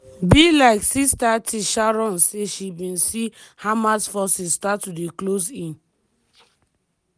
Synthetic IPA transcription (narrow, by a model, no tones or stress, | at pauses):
bilaɪksistatʰiʃaɹɔ̃nseʃibĩnsihamasfɔsisstatːudeklosĩn